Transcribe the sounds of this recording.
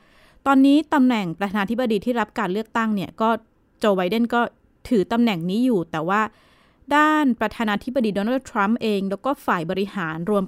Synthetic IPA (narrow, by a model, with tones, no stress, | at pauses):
t̪ɔː˧nːiː˦˥t̪a˧mnɛ˨˩ŋpɾa˧t̪ʰaː˧naː˧t̪ʰi˦˥bːa˧diː˧t̪ʰiː˥˩ɾa˦˥p̚kaː˧nlɯ˥˩ək̚t̪a˥˩ŋni˥˩əkɔː˥˩ | t͡ɕoː˧ba˧jde˥˩nkɔː˥˩ | t̪ʰɯː˩˦t̪a˧mnɛ˨˩ŋniː˦˥juː˨˩t̪ɛː˨˩waː˥˩ | daː˥˩npɾa˧t̪ʰaː˧naː˧t̪ʰi˦˥ba˧diː˧doː˧naː˥˩t̪ʰɾa˦˥mʔeː˧ŋlɛː˦˥wkɔː˥˩faː˨˩jbɔː˧ɾi˦˥haː˩˦nɾu˧əm